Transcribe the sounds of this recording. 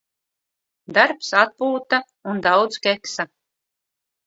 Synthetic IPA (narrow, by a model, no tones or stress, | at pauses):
d̪aɾpsat̪̚puːt̪a | und̪awd̪skɛksa